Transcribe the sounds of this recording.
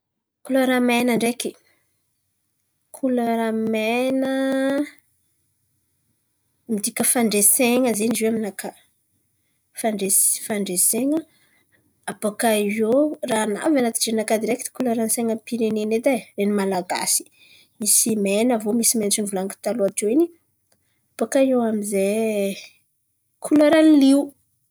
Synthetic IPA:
kuloɾamɛjnəɳɖ͡ʐeki | kʰuloɾamenə | mid̪ikʲəfaɳɖ͡ʐeseŋəzenizeaminaka | faɳɖ͡ʐesfaɳɖ͡ʐeseŋə | apakajorana̰vanat̪i̥ʈ͡ʂenakad̪iɾekid̪̥i̥kulaɾanseŋəpiɾenened̪arenimalaɡa̰si̥ | misimenəvomisimenʈ͡ʂinivulaŋki̥t̪aluatewini | apakaioamize | kʰulaɾaniliu

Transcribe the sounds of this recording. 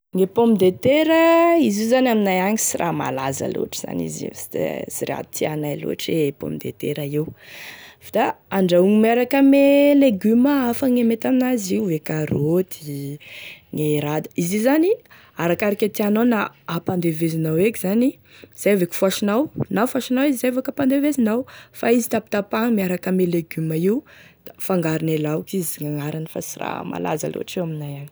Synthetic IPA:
ŋepomid̪et̪eɾəizizanaminajaŋisirʔa̰ma̰lazə̰lo̰aʈ͡ʂi̥z̥a̰nḭzḭ̥siɾḛa̰d̪t̪ʰianajlo̰aʈ͡ʂepo̰mid̪ḛt̪eɾaew | vd̪aaɳɖ͡ʐauŋimeɾakəmeleɡyməafəŋemet̪aminaziuvekaɾot̪i | ŋeɾad̪ə̥izizani | aɾakaɾikʲat̪ianawnaːpand̪evezinawekʲizani | z̥aavekʲi̥fuaʃinawnafuaʃinawizizevakapand̪evezinawfaizi̥t̪api̥t̪apaŋmiaɾakəmeleɡyməiwd̪̥afaŋɡaɾinelawkiziŋaŋaɾanifa̰sira̰ma̰la̰za̰lʔo̰a̰ʈ͡ʂiwaminajani

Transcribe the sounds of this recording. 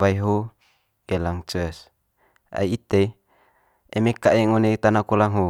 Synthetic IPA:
aiɦo | ɡelaŋt͡ʃs | a̰iit̪e | emekaʔeŋonet̪anakulaŋɦo

